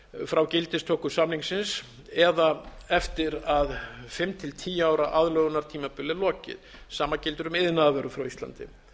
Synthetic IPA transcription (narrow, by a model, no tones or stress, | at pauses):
fɾawcɪlt̪ɪst̪ʰɔːhkʏsamniŋsɪns | ɛðaɛft̪ɪɾaðfɪmt̪ʰɪlt̪ʰiːaːwɾaʔaðlœɣʏnaɾ̥t̪ʰiːmapʏlːɪlɔːcɪ̰ð | saːmacɪlt̪ʏɾʏmɪðnaðvœɾʏfɾawist̪la̰nt̪ɪ̰